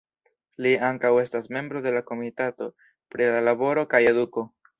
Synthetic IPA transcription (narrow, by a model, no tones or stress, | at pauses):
liaŋkawe̞stasme̞mbɾo̞de̞lako̞mitato̞ | pɾilalaβo̞ɾo̞kaje̞duko̞